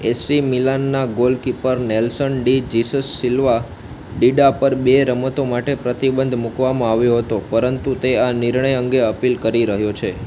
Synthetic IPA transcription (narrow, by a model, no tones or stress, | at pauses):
esimilanːaɡolkipəɾnelsəɳɖid͡ʒisəsːilʋa | ɖiɖapəɾbeɾəmət̪omaʈepɾət̪ibənd̪ʱmukʋamãaʋjoɦət̪opəɾənt̪ut̪eaniɾɳəjəŋɡeəpilkəɾiɾəɦjot͡ʃʰe